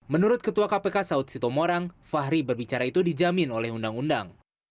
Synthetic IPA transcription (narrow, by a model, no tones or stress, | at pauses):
mənuɾʊt̪̚kət̪uakapekasaʊt̪̚sit̪omoɾaŋfaɦɾibərbit͡ʃaɾait̪udid͡ʒamɪnolɛhundaŋundaŋ